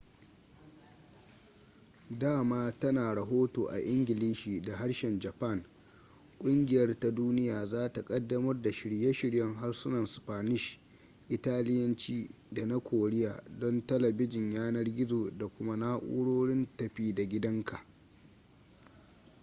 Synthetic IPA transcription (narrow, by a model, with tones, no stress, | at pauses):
daː˦˨maː˦tɐ˦naː˨ɽɐ˨ɦoː˦toː˨ʔa̰˨ʔɪ˦ŋɡʲɪ˨liː˦ʃiː˨da˨ɦa˦ɽʃɛ˨nd͡ʒɐ˨pɐ˦˨ŋ | kʷʼʊ˦ŋɡʲɪ˨jɐ˦rta˦duː˦nɪ˦jaː˨zaː˦ta˨kʼɐ˦dːɐ˦mɐ˦rda˨ʃɪ˨ɽje˦ʃɪ˦ɽjɐ˦ŋɦa˦rsʊ˦nɐ˨nspaː˨nɪ˦ʃ | ʔɪ˨taː˦lɪ˦jɐ˦nt͡ʃiː˦ | da˨na˦kʷʰoː˨ɽɪ˦jaː˨dɔ˦ntɐ˦lɐ˨bɪ˦d͡ʒɪ˨ɲjaː˦nɐ˦rɡʲɪ˦zoː˨da˨kʷʊ˦ma˦naː˦ʔʷʊṵ˦ɽoː˦ɽɪ˦ntɐ˨ɸiː˦da˨ɡʲɪ˦dɐ˦ŋkʰa˨ʔ